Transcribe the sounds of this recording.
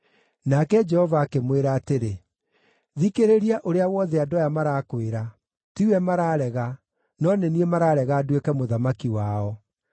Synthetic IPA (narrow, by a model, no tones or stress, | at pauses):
nakɛd͡ʒɛhɔvakemweɾaːteɾe | ðikeɾeɾiaʔoɾeawɔðɛadɔjamaɾakweɾa | tiwɛmaɾaːɾɛɣa | nɔneniemaɾaːɾɛɣadwekɛmoðamakiwaːɔ